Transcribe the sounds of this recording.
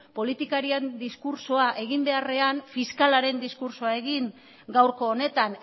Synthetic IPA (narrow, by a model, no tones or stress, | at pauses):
po̞lit̪ikaɾiend̪iskuɾsoaʔe̞ɣ̞imbe̞are̞anfiskalaɾe̞nd̪iskuɾsoae̞ɣiŋ | ɡawɾko̞ːne̞t̪an